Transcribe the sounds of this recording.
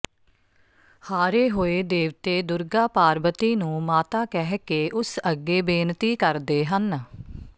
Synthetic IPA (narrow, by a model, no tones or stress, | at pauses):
haːɾeːɦoːeːd̪eːʋt̪eːd̪ʊɾɡaːpaːɾbət̪iːnũːmaːt̪aːkɛɦkeːʔʊsəɡːeːbeːnt̪iːkəɾd̪eːɦən